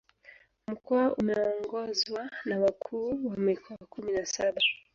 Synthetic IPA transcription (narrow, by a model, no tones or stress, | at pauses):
m̩kɔaʔumɛɔŋɡɔzwanawakʰuːwamikʰɔwakuminasaɓa